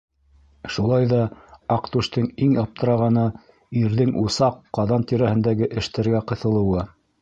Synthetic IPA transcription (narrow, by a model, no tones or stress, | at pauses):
ʃulˠɑjðɑɑqt̪uʃt̪ɤŋiŋɑp̚t̪ɤ̆ɾɑʁɑnɤ | iɾðɘŋʔusɑqːɑðɑnt̪iɾæhɘ̆nd̪æɡɘʔɘ̆ʃt̪æ̆ɾɡæqɤ̆θɤ̆lˠɤ̆wɤ